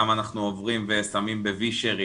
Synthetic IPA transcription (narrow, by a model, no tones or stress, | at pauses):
amanaχnuovʁimvesamimbeviʃeʁi